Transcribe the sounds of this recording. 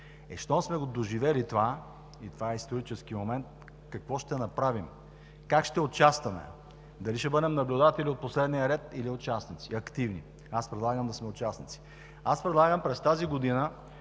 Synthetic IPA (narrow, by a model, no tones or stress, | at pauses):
ɛʃt̪ɔsmɛɡod̪oʒivɛlit̪ova | it̪vaɛist̪oɾit͡ʃɛsk̟imomɛnt̪̚ | kɐkvɔʃt̪ɛnɐpɾavim | kakʃt̪ɛot͡ʃast̪ɐmɛ̰ | d̪ɐliʃɛbɤd̪ɛmnɐblʲʊd̪at̪ɛliot̪̚poslɛd̪nijəɾɛt̪iliot͡ʃasnit̪siɐkt̪ivnḭ | aspɾɛd̪lˠaɡəmd̪ɐsmɛot͡ʃasnit̪si̥ | aspɾɛd̪lˠaɡəmpɾɛst̪aziɡod̪inə